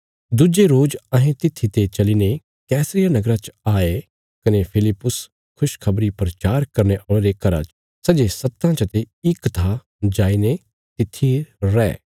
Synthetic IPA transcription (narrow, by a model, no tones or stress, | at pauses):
d̪ʊd͡ʒeɾoːd͡ʒɐ̃ɦẽt̪ɪt̪ʰːit̪et͡ʃɐliːne | kɛːsɾɪjanɐɡɾat͡ʃaːe | kɐnepʰɪlɪpːʊs | kʰʊʃkʰɐbɾipɾɐt͡ʃaːɾkɐɾneʔɔːɽ̃eɾekɐɾa̰t͡ʃ | sɐd͡ʒesɐt̪ːãt͡ʃɐt̪e | ɪkːɐt̪ʰa | d͡ʒaːine | t̪ɪt̪ʰːiɾɛ̰ː